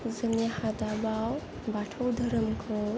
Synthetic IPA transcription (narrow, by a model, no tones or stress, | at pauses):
zɯŋnihadabaw | batʰawdʱɐɾɯmkʰɯ